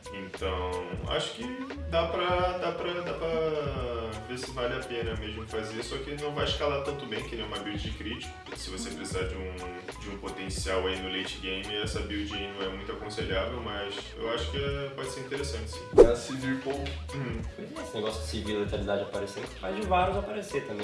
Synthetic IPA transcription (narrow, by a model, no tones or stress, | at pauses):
ẽnt̪ɐ̃w̃a̰ʃʊ̥kɪ | d̪apɾɐd̪apɾɐd̪apɾɐ | vesɪvalɪapẽnɐmeʒmʊfazesɔkɪnɐ̃w̃vajɪʃkalat̪ɐ̃nt̪ʊbẽj̃kɪnẽɛ̃ũmɐabiwd͡ʒiɪkɾit͡ʃi̥kɐ̥ʊ̥sɪvosepɾesizad͡ʒɪũ | d͡ʒɪũpot̪ẽsiawainʊlejt͡ʃɪɡẽj̃mɪɛsɐbiwd͡ʒiainɐ̃w̃ɛmũj̃t̪ʊakõseʎavewmɐʃ | ḛwaʃʊ̥kɪɛpɔd͡ʒɪseɾĩt̪eɾesɐ̃t͡ʃɪ̥sĩasiviipowkʊ̃h̩iesɪneɡɔsjʊd͡ʒɪsivilet̪enid̪ad͡ʒapaɾesefazd͡ʒɪvaɾʊzapaɾeset̪ɐ̃mbẽ